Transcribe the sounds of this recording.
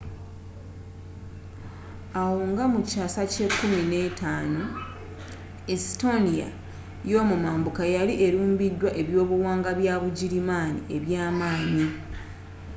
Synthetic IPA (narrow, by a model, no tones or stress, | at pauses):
awoːŋɡamucaːsace̞kːumine̞tʰaːno | isto̞nija̰ | jo̞ːmumaːmbukajaliʔe̞ɾuːmbidːwaʔe̞βjo̞ːβuwaːŋɡaβjaβuɟiɾimaːnḭʔe̞βjaːmaːɲi